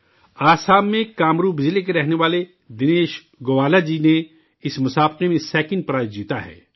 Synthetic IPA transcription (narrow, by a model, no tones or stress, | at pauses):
aːsaːmːẽkaːmɾuːbɪd͡ʒlekeɾɛɦneʋaːle | d̪ɪneːʃ | ɡoːʋaːlad͡ʒiːne | ɪsmʊsaːbqemẽsɛːkɪ̃n̚pɾaːd͡ʒiːt̪aɦɛ̰ː